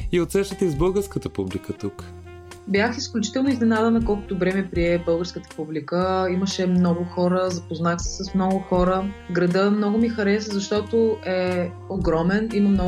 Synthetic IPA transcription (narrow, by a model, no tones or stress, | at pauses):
iot̪sɛʃt̪ət̪əizbɤlˠɡəɾskət̪əpublikət̪uk | bjaxisklʲʊt͡ʃi̥t̪ɛlˠnʊiznɛnad̪ənɐkɔlˠkʊ̥t̪ʊbɾɛmɛpɾiɛbɤlˠɡəɾskət̪ə̥publikəiməʃɛmnɔɡʊxɔɾəzɐpoznaxsɛ̥səsmnɔɡʊxɔɾəɡɾɐd̪əmnɔɡʊmixɐɾɛsəzɐʃt̪ɔt̪ʊɛ | oɡɾɔmɛniməmnɔ